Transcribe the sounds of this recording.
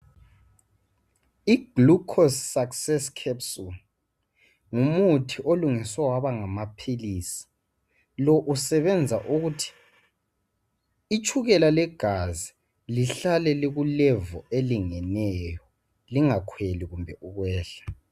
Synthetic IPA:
iɡ̥lukʰɔssaksɛskʰɛpsul | ŋumutʰiʔoluŋiswawaβaŋamapʰiliːsi̥ | lɔʔusɛβɛnd͡zʱaʔuɣutʰi̥ | t͡ʃʰʼuɣɛlalɛɡ̥ʱazi | liɬalɛleɣulɛvɔeliŋɛnɛjɔ | liŋakʰweliɣumbʱɛʔuɣwɛːɬḁ

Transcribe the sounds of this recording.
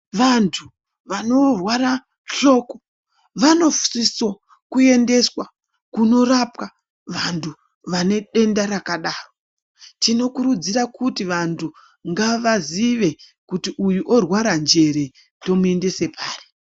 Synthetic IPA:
ʋantʰu | ʋano̞rwaɾa | ɬo̞ko | ʋano̞fu̥siso | kue̞nde̞swa | kuno̞rapka | ʋantʰu | ʋane̞ɗe̞ndaɾakaɗaːro | tino̞kuɾud͡ziɾakutiʋantʰu | ŋɡaʋaziʋe̞kutiʔujuʔorwaɾand͡ʒe̞ɾe | tto̞muende̞se̞paːri̥

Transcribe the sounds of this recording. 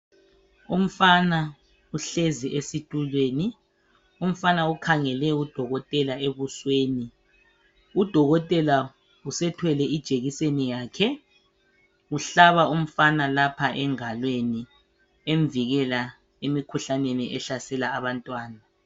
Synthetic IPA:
um̩fana | uɬeziʔesitʼulweːni | um̩fanaukʰaŋɛlɛud̥ʱɔɣɔtʼɛlaeβusweːni | ud̥ʱɔɣɔtʼɛla | usɛtʰwɛlɛid̥ʒ̥ʱeɣisenijaːkʰɛ | uɬaβaum̩fanalapʰaʔɛŋalweni | eɱviɣɛla | emikʰuɬaneniʔɛɬasɛlaːβantʼwaːna

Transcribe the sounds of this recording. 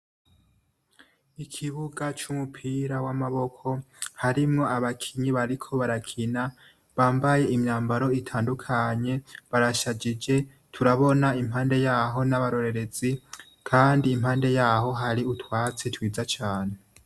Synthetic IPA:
ikʰiβuɡat͡ʃumupʰiɾawamaβo̞kʰo̞haɾimŋo̞aβakʰiɲiβaɾikʰo̞βaɾakʰina | βaːmbaje̞imɲaːmbaɾo̞itʰaːndukʰaɲe̞βaɾaʃad͡ʒid͡ʒe̞ | tʰuɾaβo̞naimhaːnde̞jaːɦo̞naβaɾo̞ɾe̞ɾe̞z̥i | kʰaːndiːmhaːnde̞jaːɦo̞ɦaɾiutwaːt͡setwiːzat͡ʃaːne̞

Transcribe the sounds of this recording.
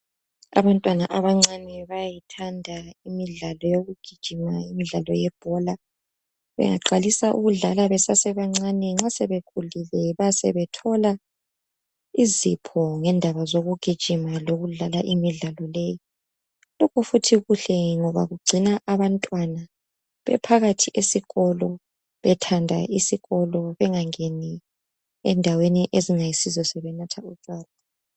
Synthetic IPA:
a̰βantʼwanaʔaβaŋ͡ǀanɛβajitʰandʱaimiɮalɔjoɣuɡ̥ʱid̥ʒ̥ʱimaimiɮalɔ̰jɛb̥ʱɔla | βɛ̰ŋa̰ǃalisaʔṵɣuɮalaβɛsasɛβaŋ͡ǀanɛŋ͡ǁasɛβekʰulilɛβasɛ̰βɛtʰɔla | izipʰɔŋɛndʱaβazoɣuɡ̥ʱid̥ʒ̥ʱimaloɣuɮalaʔimiɮalɔleji | lɔkʰɔfutʰiɣuɬɛŋɔβa̰ɣuɡ͡ǀʱinaʔaβantʼwana | βɛ̰pʰaɣatʰiʔesiɣɔlɔ | βɛtʰandʱa̰ʔisiɣɔlɔβɛŋaŋeni | ɛ̰ndʱaweniʔeziŋajisizɔsɛβɛnatʰaut͡ʃʼwaːla

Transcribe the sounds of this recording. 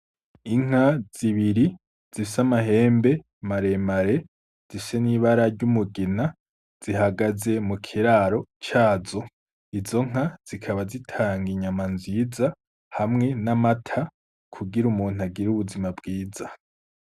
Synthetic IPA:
iŋ̥az̥iβiɾi | z̥isamaɦe̞ːmbe̞ | maɾe̞maɾe̞ | z̥ise̞niβaɾaɾɟumuɡina | z̥iɦaɡaze̞mukʰiɾaɾo̞t͡ʃaːzo̞ | izo̞ŋ̥az̥ikʰaβazitʰaːŋɡiɲamanziza | hamŋe̞namatʰa | kʰuɡiɾumuːn̥uaɡiɾuβuzimabɡiːza

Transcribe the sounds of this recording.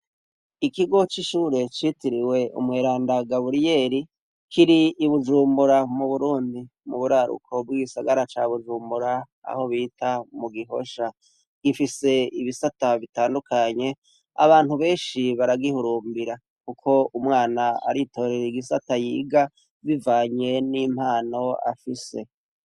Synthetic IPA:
ikiɡo̞t͡ʃiʃuːɾe̞t͡ʃitiɾiwe̞ʔṵmweːɾaːndaɡaβuɾije̞ːɾi | kiɾiːβuʒuːmbuɾamuβuɾuːndi | muβuɾaɾṵkʰo̞b̚ɡiɡisaɡaɾat͡ʃaβuʒuːmbuɾa | a̰ho̞βiːtʰamuɡiɦo̞̰ʃa | ɡifise̞iβisataβitaːndukʰaɲe̞ | a̰βaːn̥uβe̞ːnʃiβaɾaɡihuɾuːmbiɾa | kukʰo̞umŋaːnaa̰ɾito̞ːɾeɾiɡisatajḭːɡa | βivaːɲe̞nim̥haːno̞a̰fise̞

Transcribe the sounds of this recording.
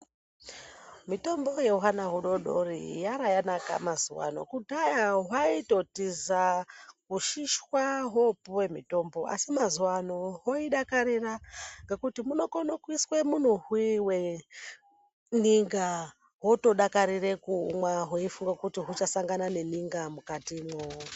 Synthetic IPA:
mitombo̞jeuɦanaɦuɗo̞ɗorḭjaɾajanaka̰mazuwa̰no̞̰kudʱajaɦwaito̞tizakuʃiʃwaɦopuwe̞mito̞mbo̞ʔa̰simazuwanoɦoiɗakaɾiraŋɡe̞kutimuno̞konokwiswemun̤uɦwiwe | niŋɡa | ɦoto̞ɗakaɾire̞kṵːmwaɦoifuŋɡakutiɦut͡ʃasaŋɡanane̞niŋɡamukatimoo

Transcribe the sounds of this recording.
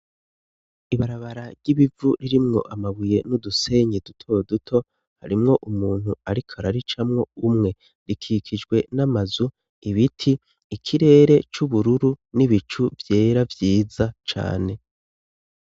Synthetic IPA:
iβaɾaβaɾaɾɟ̥iβivuɾiɾimŋo̞̰ʔamaβuje̞nuduse̞ɲidutʰo̞dutʰo̞ | ha̰ɾimŋo̞ʔumuːn̥huaɾikʰaɾaɾit͡ʃamŋo̞umŋe̞ | ɾikʰikʰid͡ʒɡwe̞namazu | iβitʰiː | kʰiɾe̞ːɾe̞t͡ʃuβuɾuɾuniβit͡ʃuvje̞ːɾavjiːzat͡ʃa̰ːne̞

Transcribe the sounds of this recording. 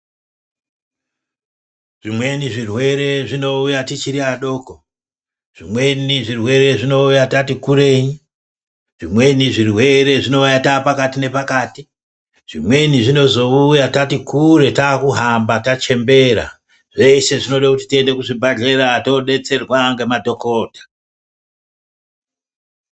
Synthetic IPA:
ʐimwe̞niʐirwe̞ɾe̞ʐino̞ujatit͡ʃiɾiaɗo̞ːko | ʐ̥imwe̞niʐirwe̞ɾe̞ʐino̞ujatatikuɾe̞ːɲi | ʐ̥imwe̞niʐirwe̞ɾe̞ʐino̞ujataːpakatine̞pakaːti | ʐ̥imwe̞niʐino̞zo̞ujatatikuɾe̞taːkuɦambatat͡ʃe̞mbe̞ɾa̰ | ʐe̞se̞ʐino̞ɗakuti̥tie̞nde̞kuʐibʱaɮe̞ɾato̞ɗe̞t͡se̞rwaŋɡe̞madʱo̞ko̞ːtḁ

